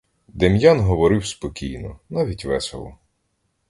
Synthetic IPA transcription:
d̪emjanɦɔʋɔɾɪwspɔkʲḭjnɔ̰nɑʋʲitʲʋɛsḛlˠɔ

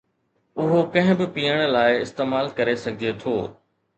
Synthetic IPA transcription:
ʊɦokɐ̃ɦɪ̃bɪpijəɽ̃laːɪɪst̪eːmaːlkɐɾesɐɡʱiet̪ʰoː

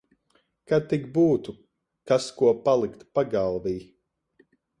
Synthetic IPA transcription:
kad̪̚t̪iɡbuːt̪u | kaskuɔpalˠikt̪paɡalˠviː

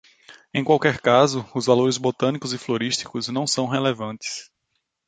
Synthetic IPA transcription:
ẽj̃kwawkɛɾkazʊʊzvaloɾɪzbot̪ɐ̃nikʊzɪfloɾiʃt̪i̥kʊznɐ̃w̃sɐ̃w̃ɦelevɐ̃nt̪ɪ̥s

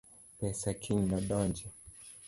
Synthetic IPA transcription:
pɛsakʰiɲnɔɗɔnd͡ʒɛ

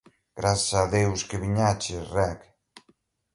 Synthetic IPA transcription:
ɡ̥ɾasaðewskeβiɲat͡ʃerɛk

